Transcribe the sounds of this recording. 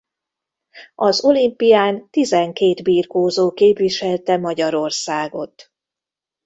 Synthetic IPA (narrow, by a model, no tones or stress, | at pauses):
ɒzo̞limpijaːnt̪izɛŋkeːd̪biːrkoːzoːkeːpʋiʃɛlt̪ɛmɒɟɒɾo̞rsaːɡo̞t̪